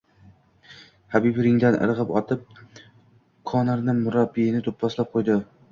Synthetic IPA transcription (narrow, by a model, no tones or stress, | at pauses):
habibɪɾɪŋd̪anʔɪ̰ɾʁɨpɒt̪ʰɪp̚ | kʰɒnɪɾnɪmʊɾabːinɪt̪ʰopʰːɒslap̚qʰojd̪ɪ